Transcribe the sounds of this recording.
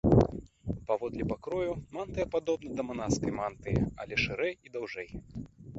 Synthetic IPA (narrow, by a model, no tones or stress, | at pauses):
pavɔd̪lʲipakɾɔjumant̪ɨjɐpad̪ɔbnɐd̪ɐmanaskɐjmant̪ɨjɛ̰ɐ̰lʲɛʂɨɾɛjid̪awʐɛj